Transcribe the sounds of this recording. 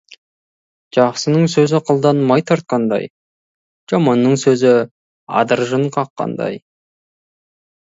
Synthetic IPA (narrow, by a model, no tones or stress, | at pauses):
ʒ̥ɑqsənəɴsɵzɪqʰəlˠd̪ɑnmɑjt̪ʰɑɾt̪̚qɑnd̪ɑ̰j | ʒ̥ɑmɑnːəɴsɵzɪ | ɑ̰d̪əɾʒəɴqʰɑqːɑ̰nd̪ɑ̰j